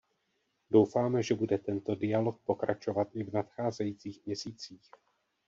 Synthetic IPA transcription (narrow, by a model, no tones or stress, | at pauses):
do̞wfaːmɛʒɛbudɛt̪ɛnt̪o̞dɪjalo̞k̚po̞kɾat͡ʃo̞vat̪ʔɪvnat̪xaːzɛjiːt͡siːxmɲɛsiːt͡siːx